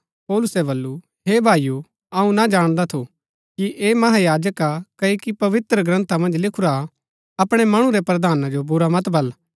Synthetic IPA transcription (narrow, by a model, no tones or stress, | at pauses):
pɔːlʊsɛbɐlːu | ɦeːbʱaːiju | ɐũnad͡ʒaːɽ̃d̪at̪ʰu | kiʔeːmɐɦajaːd͡ʒəkakɐikipɐʋɪt̪ɾəɡɾɐ̃nt̪ʰamɐ̃nd͡ʒlɪkʰʊɾa | ɐpɽ̃ɛmɐɽ̃ũɾɛpɾɐd̪ʱaːnad͡ʒobʊɾamɐt̪bʱɐl